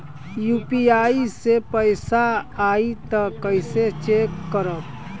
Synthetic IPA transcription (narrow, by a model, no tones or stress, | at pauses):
juːpiaːisepəɪsaaːit̪akəɪset͡ʃeːkːəɾə̃